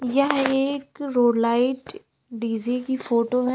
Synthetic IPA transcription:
jɐɦeːkɾoːlaːɪʈ | ɖiːzikifoːʈoɦɛ

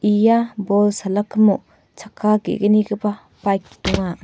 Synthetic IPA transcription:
ʔijabɔlsalakʰːmu | t͡ʃʰakʰːaɡḛɡəniɡəpa | pajkːi̥tuŋa

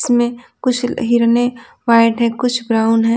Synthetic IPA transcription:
smẽkʊt͡ʃʰɦiɾəne | ʋaːɪʈɦɛ̃kʊt͡ʃʰbɾaːʊnɦɛ

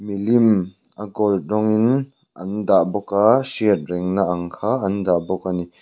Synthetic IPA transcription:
milim | ʔɐɡɔlt̚rɔŋin | ʔɐndaʔbɔkasiət̚rɛŋnaʔɐŋkʰaːɐndaʔbɔkani

